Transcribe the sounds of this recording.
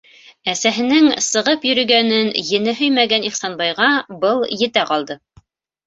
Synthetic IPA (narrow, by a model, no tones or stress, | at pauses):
æsæɦɘ̆nɘŋsɤ̆ʁɤpjɵ̆ɾɵ̆ɡænɘnjɘ̆nɘɦɵjmæɡæniχsɑnbɑjʁɑbɤlˠjɘ̆t̪æqɑlˠd̪ɤ